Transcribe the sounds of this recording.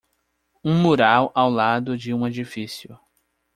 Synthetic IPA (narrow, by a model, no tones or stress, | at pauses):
ũmuɾawʔawlad̪ʊd͡ʒɪũed͡ʒifisiʊ̰